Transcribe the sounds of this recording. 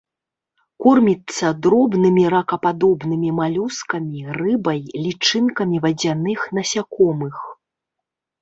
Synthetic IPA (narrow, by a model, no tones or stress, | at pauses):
kurmʲit̪sːɐd̪ɾɔbnɨmʲiɾɐkɐpad̪ɔbnɨmʲimalʲuskɐmʲirɨbɐjlʲit͡ʂɨnkɐmʲivɐd͡zʲanɨxnɐsʲakɔmɨx